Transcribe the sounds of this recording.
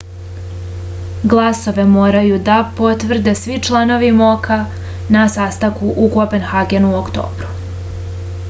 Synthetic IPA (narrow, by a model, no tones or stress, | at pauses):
ɡlˠaso̞ʋe̞mo̞ːɾajud̪apo̞t̪ʋr̩d̪e̞sʋit͡ʃlˠano̞ʋimo̞kʰa | nasaːst̪akuʔukopenxaɡe̞nuokt̪o̰ːbɾu̥